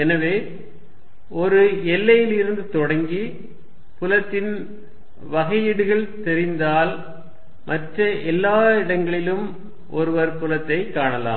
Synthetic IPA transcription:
ɛnɐʋeː | ɔɾɯɛlːɐjɪlɪɾɯnd̪ɯt̪ɔɽɐŋɡi | pʊlɐt̪ːɪn | ʋɐɣɐjɪɽɯɣɐɭt̪ɛɾɪnd̪aːl | mʔɐʈrɐʔɛlːaːɪɽɐŋɡɐɭɪlɯm | ʔɔ̰ɾɯʋɐɾpʊlɐt̪ːɐɪkːaːɳɐla̰ːm

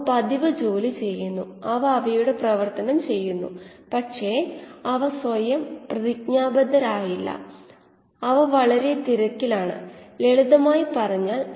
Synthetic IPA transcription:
pɐd̪iʋɐd͡ʑo̞ːlit͡ɕe̞jːunːu | ɐʋɐɐʋɐjuɽe̞prɐʋɐrt̪ɐnɐmt͡ɕe̞jːunːṵpɐʈʂe̞ɐʋɐsʋɐjɐmprɐðikɲaːbɐd̪ɐɾaːjilːɐ̰ | ɐʋɐʋɐɭɐɾe̞t̪iɾɐkːilaːɳɨ̰eɭuðɐmaːjipɐrɐɲːaːl

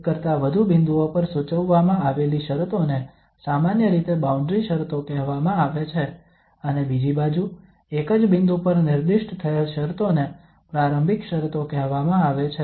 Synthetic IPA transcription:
kəɾt̪aʋəd̪ʱubɪnd̪uopəɾsut͡ʃəʋːamãaʋeliʃəɾt̪one | samanjəɾit̪ebaũɳɖɾiʃəɾt̪okɛɦʋamãaʋet͡ʃʰe | ənebid͡ʒibad͡ʒu | ekəd͡ʒbɪnd̪upəɾnɪɾd̪iʃʈt̪ʰəelʃəɾt̪one | pɾaɾə̃mbʱikʃəɾt̪okɛɦʋamãaʋet͡ʃʰe

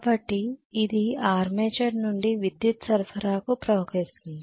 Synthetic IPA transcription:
bɐʈːiːd̪iaːɾmeːt͡ʃɐɾnuɳɖiʋid̪jut̪sɐɾɐsɐɾaːkupɾɐʋkeːst̪und̪i

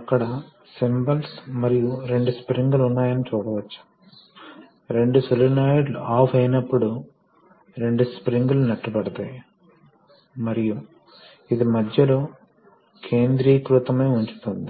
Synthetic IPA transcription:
ɐkːɐɽɐ | simbɐlsmɐɾijuɾe̞ɳɖuspɾiŋɡlunːaːjɐnit͡ʃuːɽɐʋɐt͡ʃːu̥ | ɾe̞ɳɖusulɐnaːjɖluaːpʰɐjnɐpːuɽu | ɾe̞ɳɖuspɾiŋɡulunɐʈːubɐɽɐt̪aːj | mɐɾiju | id̪imɐd̪ʱjɐlo̞ː | kʰe̞ːnd̪ɾiːkɾut̪ɐmeːuɲt͡ʃu̥t̪und̪i

